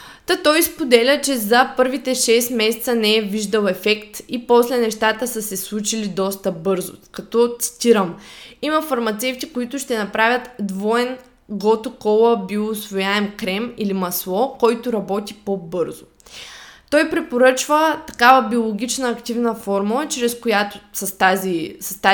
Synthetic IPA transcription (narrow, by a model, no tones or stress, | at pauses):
t̪at̪ɔjspod̪ɛlʲət͡ʃɛzɐpɤɾvit̪ɛʃɛst̪mɛsɛt̪sənɛɛviʒd̪əlˠɛfɛkt̪ipɔslɛnɛʃt̪at̪əsəsɛslˠut͡ʃilid̪ɔst̪əbɤɾzʊ̰kɐt̪ɔt̪si̥t̪ʲiɾəmiməfɐɾmɐt̪sɛft̪ikoit̪ʊʃt̪ɛnɐpɾavʲjət̪d̪vɔɛn | ɡɔt̪okɔlˠəbiʊsvojaɛmkɾɛmilimɐslˠɔkɔjt̪ʊɾɐbɔt̪ipobɤɾzʊ | t̪ɔjpɾɛpoɾɤt͡ʃvət̪ɐ̥kavəbiolˠoɡ̟ʲit͡ʃnəːkt̪ivnəfɔɾmulˠət͡ʃɾɛskojat̪ʊsɐst̪azisɐst̪a